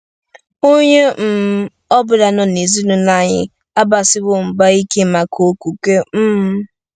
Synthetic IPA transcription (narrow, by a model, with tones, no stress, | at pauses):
o˦ɲe˦m̩˨ | ɔ˦bʊ˨da˨nɔ˨ne˨zi˦nu˨na˦ɲɪ̰˦ | a˦ba˨sɪ˦bʊ˦ŋ͡m̩˨ɡ͡ba˦i˦ke˦ma˨kʰo˨˦ku˨ke˦m̩˦m˦